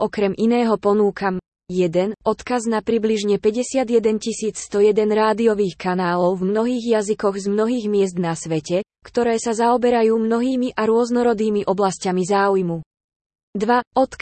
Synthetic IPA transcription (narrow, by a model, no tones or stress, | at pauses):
ɔkɾɛmʔinɛːɦɔpɔnuːkam | jɛd̪ɛnɔt̪kaznapɾibliʒɲɛpɛɟɛsɪad̪jɛd̪ɛncisiːt͡sst̪ɔjɛd̪ɛnɾaːd̪iɔʋiːxkanaːlɔʊvmnɔɦiːɣjazikɔɣzmnɔɦiːɣmɪɛzd̪nasʋɛcɛ | kt̪ɔɾɛːsazaɔbɛɾajuːmnɔɦiːmiʔaɾʊɔznɔɾɔd̪iːmiʔɔblascamizaːujmu | d̪ʋaɔt̪k